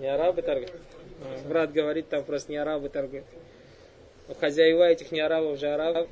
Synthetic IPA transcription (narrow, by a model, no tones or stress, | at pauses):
nʲɪaɾabɨt̪aɾɡɨt̪avɾat̪ɡəvɐɾʲit̪ːampɾost̪ənʲɪaɾabɨt̪aɾɡɨt̪ | oxɐzʲajɪvaɛtʲɪxnʲɪaɾabəfʒɨaɾabb